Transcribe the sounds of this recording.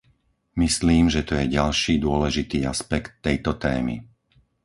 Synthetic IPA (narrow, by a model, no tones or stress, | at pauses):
misliːmʒɛt̪ɔjɛɟalʃiːd̪ʊɔlɛʒit̪iːaspɛkt̪ːɛjt̪ɔt̪ɛ̰ːmḭ